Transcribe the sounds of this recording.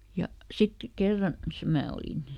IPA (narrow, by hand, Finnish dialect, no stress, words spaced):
jɑ sit kerːɑn se mæː olin